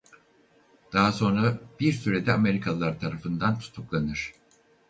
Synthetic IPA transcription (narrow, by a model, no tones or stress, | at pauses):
d̪̥aɦaso̞nɾab̥iɾsyɾe̞d̪ɛame̞ɾikʰalˠːaɾt̪ʰaɾafɯnd̪ant̪ʰu̥t̪ʰuklˠanɯɾ̥